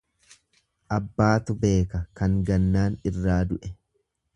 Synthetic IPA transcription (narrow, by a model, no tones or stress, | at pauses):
ʔɐbːaːt̪ʊbe̞ːkɐkɐŋɡɐnːaːnɪrːaːd̪ʊʔɛ